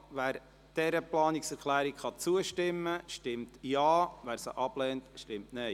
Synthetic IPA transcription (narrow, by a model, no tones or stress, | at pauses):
ʋæːɾ | d̥ɛɾəplɑːniksɛɾkʰlæːɾikχɑt͡suəʃtɪmːəʃtɪmtjɑːʋæːɾsəʔɑb̥lɛːntʃtɪmtnɛɪ